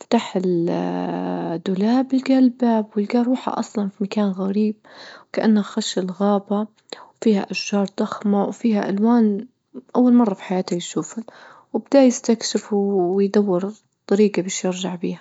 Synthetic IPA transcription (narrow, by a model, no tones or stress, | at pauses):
fḁt̪aħɪl | d̪ːʊlaːbɪlɡalbabwɪlɡaːɾˤuːħa̰ʔɑsˤlɑnfimakaːnɣaɾiːb̚kaʔanːhaxaʃɪlɣaːba | wfiːha̰ʔaʃʒɑːɾˤd̪ˤɑxmawfiːhaʔalwaːn | ʔawːalmɑrˤːɑfi̥ħajaːt̪hajʃuːfal | wɪbd̪aːʔjɪst̪akʃɪfwjd̪awːɪɾ | t̪ˤːɑɾiːɡabɪːʃjɪɾʒaʕbiːha